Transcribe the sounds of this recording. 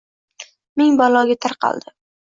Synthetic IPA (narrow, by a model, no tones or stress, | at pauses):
meŋbɒlˠɒɡʲat̪ʰaɾqʰɑ̰lˠd̪̥ɪ